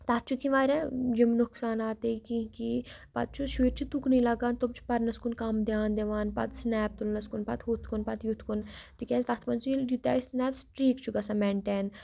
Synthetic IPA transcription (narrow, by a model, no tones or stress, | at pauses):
t̪ɐt̪̚t͡ʃʰukĩʋaːɾʲãd͡ʒimnuksaːnaːt̪ekĩkipɐ̰t̪̚t͡ʃʰuʃuːɾt͡ʃʰit̪uknilɐɡaːnt̪obt͡ʃʰu̥pɐɾnɐskunkɐmd̪jaːnd̪eʋaːnpɐ̰t̪snɛːp̚t̪ulnɐskunpɐt̪ɦut̪ʰkunpɐt̪jut̪ʰkunt̪ikʲɛːst̪ɐt̪ʰpɐnt͡ʃʰujut̪ja̰ːisnɛːpsʈɾiːkt͡ʃʰuɡɐsameɳʈeːn